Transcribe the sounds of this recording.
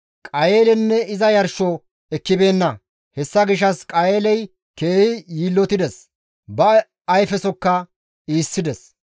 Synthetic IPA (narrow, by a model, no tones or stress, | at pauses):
kʼɐjeːlɛnːɛɪzɐjɐɾʃɔ | ɛkːɪbe̞ːnːɐ | hɛsːɐɡɪʃɐskʼɐjeːlɛj | keːhɪjiːlːɔt̪ɪd̪ɛs | bɐː | jfɛsɔkːɐ | iːsːɪd̪ɛs